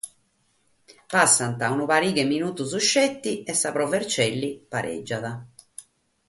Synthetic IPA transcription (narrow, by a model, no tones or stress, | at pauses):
pasːant̪aunupaɾiːkɛmːinuːt̪usuʃːɛt̪ːiɛsːapɾɔvɛɾt͡ʃɛlːipaɾʔɛ̰d͡ʒːaða